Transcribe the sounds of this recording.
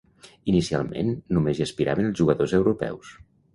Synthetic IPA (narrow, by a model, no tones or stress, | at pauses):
inisia̰lˠmḛnːumeziəspiɾa̰βənəlˠzʒuɣəðozəwɾupɛ̰ws